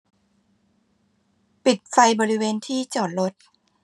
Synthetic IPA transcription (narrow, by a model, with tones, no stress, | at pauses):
pi˨˩t̪̚fa˧jbɔː˧ɾi˦˥weː˧nt̪ʰiː˥˩t͡ɕɔː˨˩t̪̚ɾo˦˥t̪̚